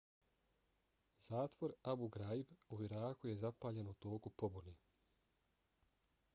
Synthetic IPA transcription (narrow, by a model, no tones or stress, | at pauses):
z̥aːt̪ʋo̞ɾabuɡɾaibuʋiɾaːkuje̞zapaːʎe̞nut̪o̞ːkupo̞buni